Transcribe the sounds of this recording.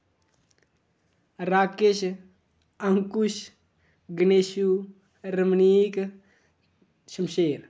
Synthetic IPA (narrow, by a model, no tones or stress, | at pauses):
ɾaːkeʃ | ɐŋkuʃ | ɡəneʃu | ɾəmniːk | ʃəmʃeːɾ